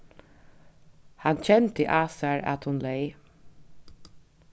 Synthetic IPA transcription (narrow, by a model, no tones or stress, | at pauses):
hant͡ɕʰɛnt̪ʰəʔaːsaɹa̰t̪hʊnleɪ